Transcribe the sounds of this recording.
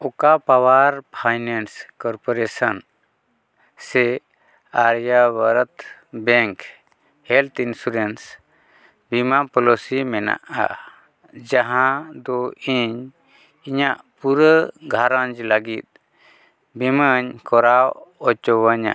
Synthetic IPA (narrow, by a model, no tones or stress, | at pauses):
ɔkapawaɾpʰajnɛnskɔɾpɔɾesən | sɛ | aɾjabəɾət̪bɛ̃ŋk | hɛlt̪insuɾens | bimapɔlosimɛna̰ʔa̰ | d͡ʒaɦãd̪ɔiɲ | iɲaʔpuɾəɡʱaɾaɲd͡ʒləɡit̪̚ | biməɲkɔɾawɔt͡ʃɔwəɲa̰